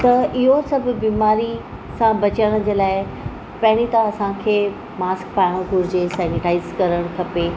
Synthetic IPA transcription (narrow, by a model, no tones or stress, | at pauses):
t̪ɐʔɪɦosɐbʱbiːmaːɾi | sãbɐt͡ɕəɽ̃ə̃d͡ʑeːlaːɪ | pɐɦɪɽ̃it̪ãɐsãkʰeː | maːskpaːjɪ̃ɡʱʊɾɪd͡ʑesɛːnɪʈaːɪzkɐɾəɽ̃kʰɐpeː